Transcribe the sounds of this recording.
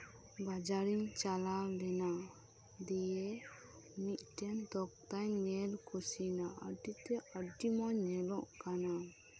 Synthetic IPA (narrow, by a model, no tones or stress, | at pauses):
bad͡ʒaɾiŋt͡ʃalalɛna | d̪ijɛ | mit̪̚ˀʈɛnd̪ɔk̚t̪ajnɛlkʰusinaʔə̰ɖit̪ɛəɖimɔɲɛlɔʔkana